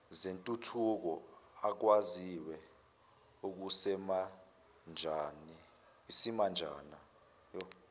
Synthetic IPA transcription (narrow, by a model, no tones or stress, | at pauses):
zentʼutʰuk̬ɔak̬waziwɛ | uk̬usɛma | nd͡ʒʱani | wisimand͡ʒʱa̰ːna | jɔ